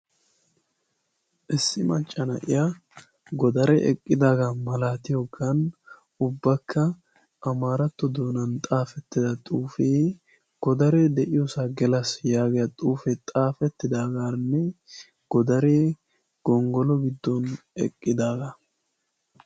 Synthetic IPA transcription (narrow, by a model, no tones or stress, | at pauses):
ʔɪsːɪmɐt͡ʃʼːɐnɐ̰ʔɪ̰ja | ɡɔd̪ɐɾɛʔɛ̰kʼːɪd̪aːɡamɐlaːt̪ɪjɔɡɐn | ʊbːɐkʰːɐː | maːɾɐt̪ːɔd̪o̞ːnɐnt̪ʼaːfɛt̪ːɪd̪ɐt̪ʼuːfeː | ɡ̥ɔd̪ɐɾeːd̪ɛʔɪjɔsaɡɛlɐsjaːɡɛjɐt̪ʼuːfɛt̪ʼaːfɛt̪ːɪd̪aːɡaːnːɛ | ɡ̥ɔd̪ɐɾeː | ɡ̥ɔŋɡɔlɔɡɪd̪ːɔnɛ̰kʼːɪd̪aːɡɐ